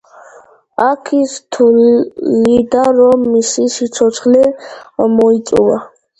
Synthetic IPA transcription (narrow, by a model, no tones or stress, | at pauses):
akʰist̪ʰulid̪aɾɔmisisit͡ʃʰɔsʰχlɛmɔit͡sʼuwa